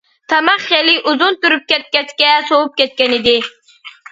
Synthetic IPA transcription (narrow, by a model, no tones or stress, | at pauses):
t̪ʰɑmɑχχeliʔuzunt̪uɾyp̚kʲɛt̪̚kʲɛt̪kʲɛsowup̚kʲɛt̪̚kʲɛnɪd̪ɪ